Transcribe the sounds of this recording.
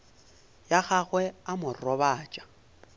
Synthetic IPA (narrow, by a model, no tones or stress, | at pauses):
jaɣaɣwɛamʊrɔβaːt͡ʃʼḁ